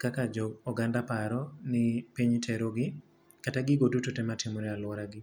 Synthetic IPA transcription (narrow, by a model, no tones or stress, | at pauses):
kakad͡ʒɔɔɡandapaɾɔnɪpiɲtʰɛɾoɡɪ | kataɡɪɡodutotɛmatɪmɔɾɛalwɔɾaɡɪ